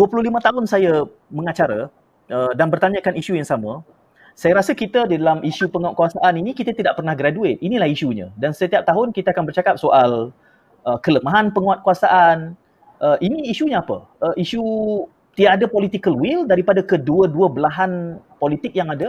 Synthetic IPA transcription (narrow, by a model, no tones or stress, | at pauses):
duəpuluhlimə̃t̪aɦʊnsaja | mə̃ŋat͡ʃaɾa | ʔədanbərt̪aɲəkaniʃujaŋsamə̃ | sajaɾasəkit̪ədidalamʔiʃupəŋaat̪̚kuasaʔaninikit̪at̪idaʔpərnahɡɾaduɪt̪̚ʔinilahiʃuɲə̰̃dansət̪iap̚t̪aɦʊnkit̪aakanbərt͡ʃakap̚soʔal | əkələmaɦanpəŋuat̪̚kuasaʔan | ʔəʔiniːʃuɲaːpə̰ | əʔiʃu | t̪idaʔdapolit̪ikəlwildaɾipadakəduəduəbəlaɦan | polit̪ɪk̚jaŋadə